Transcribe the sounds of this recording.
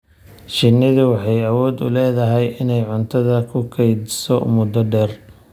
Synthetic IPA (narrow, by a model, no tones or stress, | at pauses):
t͡ʃɪnːɪðʊwɑħɑjɐwɔːd̪ʊ̰lɛːðɐɦɛjʔɪnɛjʕʊnt̪ʰɐðɐkʰʊkʰɛjd̪sɔ̰mʊd̪ɔɖɛːr